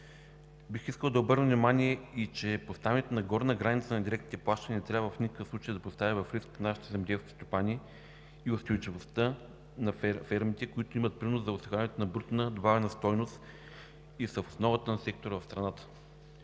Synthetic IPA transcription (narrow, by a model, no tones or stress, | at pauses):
bixiskəlˠd̪ɐobɤɾnəvnimanʲiɛit͡ʃɛpost̪avnʲɛt̪onɐɡɔɾnəɡɾanʲit̪sənɐd̪iɾɛk̪nit̪ɛplˠaʃt̪ənʲinɛt̪ɾʲavvəvəfnikə̥kəfslˠut͡ʃejəd̪ɐpost̪avʲivɐfɾisk̪naʃi̥t̪ɛzɐmd̪ɛlskʲi̥st̪opanʲiː | ʊst̪ojt͡ʃivost̪ə | nɐffɛɾmit̪ɛkoit̪oimət̪̚pɾinoszɐʊsɡʲanʲɛt̪onɐbɾut̪nəd̪vavɛnɐst̪ɔjnost̪ | isəfo̥snɔvət̪ənɐsɛk̚t̪oɾəvɐfst̪ɾɐnat̪ə̥